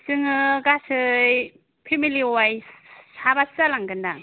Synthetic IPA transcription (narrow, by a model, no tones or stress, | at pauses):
sɯŋɯɡasɯj | pʰemiliwajsabasalaŋɡɯnda